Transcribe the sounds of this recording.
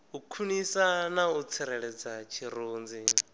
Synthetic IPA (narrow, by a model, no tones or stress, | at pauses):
ukʰunisanaut͡sʰɛɾɛɺɛd͡zat͡ʃʰiɾoːnd͡zi